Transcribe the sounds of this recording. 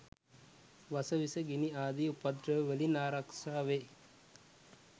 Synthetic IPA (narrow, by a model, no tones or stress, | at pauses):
ʋasəʋisəɡiniaːd̪iupad̪ɾəʋʋelinaːɾakʂaːʋe